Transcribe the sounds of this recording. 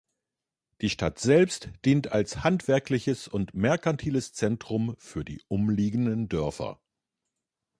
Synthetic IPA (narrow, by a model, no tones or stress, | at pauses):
d̥iːʃta̰tz̥ɛlpstd̥iːntalshantv̥ɛɐklɪçəsʊntmɛɐkantʰiːləst͡sɛntʁ̥ʊmfyːɐdḭːʔʊmliːɡn̩dəndœɐfɐ̰